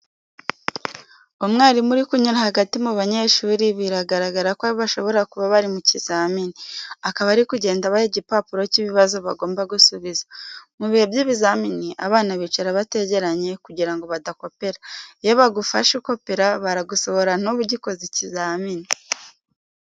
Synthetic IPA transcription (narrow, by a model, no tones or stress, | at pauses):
omŋaːɾimuɾikuɲuɾahaɡatimuβaɲe̞ʃuːɾiβiɾaɡaɾaɡaɾakwaβiβaʃo̞βo̞ɾakuβaβaɾimuciz̥aminiakaβaːɾikuɟe̞ːndaβaheɟipapuɾo̞ciβiβazo̞βa̰ɡo̞ːmbaɡusuβizamuβihebjiːβizaminiʔa̰βaːnaβiːt͡ʃaɾaβate̞ɟe̞ɾaɲe̞kuɟiɾaŋɡo̞βadako̞pe̞ɾajoβaɡufaʃuko̞peɾaβaɾaɡuso̞βo̞ɾan̥uβuɟiko̞zicizaːmini